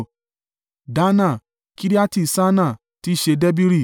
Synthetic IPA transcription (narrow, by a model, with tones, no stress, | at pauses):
da˦nã˦˨ | ki˦ɾi˦a˦ti˦˨sa˦nã˦˨ | ti˦˨ʃe˧dɛ˦bi˦ɾi˦˨